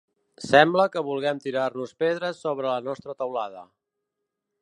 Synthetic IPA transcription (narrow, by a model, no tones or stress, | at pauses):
sɛmbləkəβulˠɣɛmt̪iɾarnuspeðɾəsːoβɾələnɔst̪ɾət̪əwlaðə̰